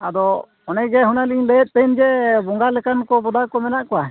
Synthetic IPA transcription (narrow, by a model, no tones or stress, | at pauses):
ad̪ɔ | ɔnɛɡɛɦunaliɲlɛjɛt̪̚pɛnd͡ʒɛbɔŋɡalɛkankɔbɔd̪akɔmɛnaʔkɔwa